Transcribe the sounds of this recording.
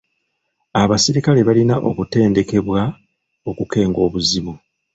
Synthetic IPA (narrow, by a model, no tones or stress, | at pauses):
aβasiɾikale̞βalinaʔo̞̰kute̞ːnde̞ke̞βwa | o̞kuke̞ːŋɡo̞ːβuziβu